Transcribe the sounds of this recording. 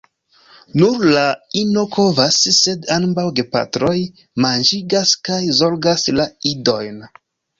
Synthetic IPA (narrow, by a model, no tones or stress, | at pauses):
nuɾlaino̞kʰo̞vasːe̞danbawɡe̞pa̰tɾo̞j | mand͡ʒiɡaskajzo̞lɡaslaido̞jn